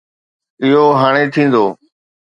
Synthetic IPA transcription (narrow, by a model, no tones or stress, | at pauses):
ɪɦoɦaːɽ̃et̪ʰĩːn̆d̪oː